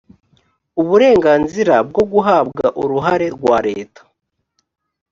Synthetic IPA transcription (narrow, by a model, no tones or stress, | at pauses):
uβuɾe̞ːŋɡaːnziɾab̚ɡo̞ɡuɦabɡaʔuɾuɦaɾe̞ɾɡwaːɾe̞̰ːtḁ